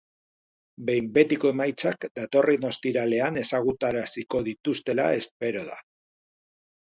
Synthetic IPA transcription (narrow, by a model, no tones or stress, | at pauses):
be̞jmbe̞t̪iko̞e̞majt͡sakd̪at̪o̞rʔino̞st̪iɾale̞ane̞saɣut̪aɾasiko̞ðit̪ust̪e̞la̰e̞spe̞ɾo̞ða̰